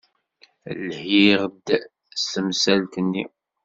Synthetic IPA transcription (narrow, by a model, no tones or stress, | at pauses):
lhiʁd̪ | stəmsælt̪ənːḭ